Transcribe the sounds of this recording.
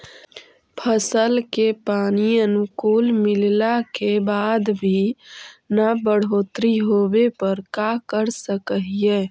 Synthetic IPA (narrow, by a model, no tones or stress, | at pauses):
pʰəsəlkepanijənkulmillakebad̪bʱi | nabəɽ̤ot̪ɾiɦobepəɾkakəɾsəkəɦije